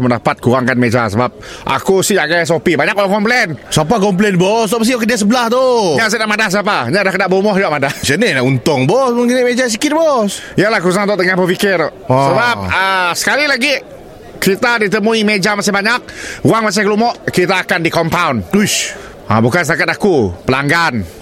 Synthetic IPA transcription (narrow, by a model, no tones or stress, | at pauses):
məndapat̪̚kuɾaŋkanmed͡ʒasəbap̚ | ʔa̰kusɪhaɡajs̬opibaɲakuaŋkɔmplɛnsapakɔmp̬lɛnbɔsapas̬ijkədias̬əbəlaht̪oɲas̬ɛnaʔmadahs̬ap̬aɲadahkədaʔbomɔhaʔmadasənelaunt̪ɔŋbɔsməŋiniʔmed͡ʒas̬ikɪt̪̚bɔs | ijalahkəus̬aŋt̪ɔʔt̪əŋahbəfikɪrʔsəbapəsə̥kalilaɡi | kit̪adit̪əmuimed͡ʒamasɪhbaɲak̚uaŋmas̬ɪkəlumɔʔkɾit̪aːkandikɔmpawnu | a̰bukansət̪akat̪akupəlaŋɡan